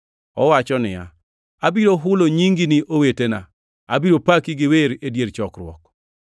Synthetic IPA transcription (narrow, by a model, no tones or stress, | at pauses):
ɔwat͡ʃɔnɪja̰ | abiɾoɦʊloɲiŋɡiniʔowetena̰ | abiɾopakiɡɪweɾedjeɾt͡ʃɔkrwɔ̰k